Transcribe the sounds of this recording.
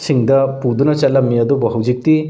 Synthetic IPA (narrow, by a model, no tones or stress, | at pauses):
siŋdɐpudunɐt͡ʃɐlːɐmiɐdubɔɦɐwd͡ʒik̚ti